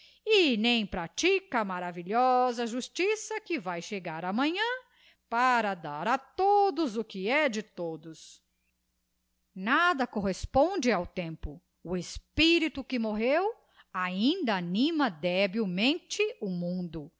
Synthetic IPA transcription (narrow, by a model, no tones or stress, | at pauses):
ɪnẽj̃pɾat͡ʃikɐmaɾaviʎɔzɐʒust͡ʃisɐkɪvajʃeɡaɾɐmɐ̃ɲɐ̃ | paɾɐd̪aɾɐt̪od̪ʊzʊkɪɛd͡ʒɪt̪od̪ʊs | nad̪ɐkoɦespõd͡ʒɪawt̪ẽmpʊ | ʊespiɾit̪ʊkɪmoɦew | aĩnd̪ɐːnĩmɐd̪ɛbiwmẽnt͡ʃɪʊmũnd̪ʊ